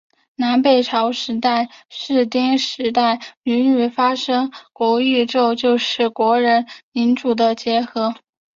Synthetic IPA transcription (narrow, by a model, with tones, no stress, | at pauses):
na˧˥npe˥˨˩ɪʈ͡ʂʰɑ˧˥ʊʂɻ̩˧˥t̪a˥˩ɪʂɻ̩˥˩t̪i˥ŋʂɻ̩˧˥t̪̬a˥˩ɪy˧˥ny˥˩fa˥ʂɤ˥ŋkwɔ˧˥y˥˧ʈ͡ʂo˥˧ʊt͡ɕjo˥˧ʊʂɻ̩˥˩kwɔ˧˥ɻə˧˥nmi˧˥nʈ͡ʂu˨˩d̪ə˦t͡ɕjɛ˧˥xɤ˧˥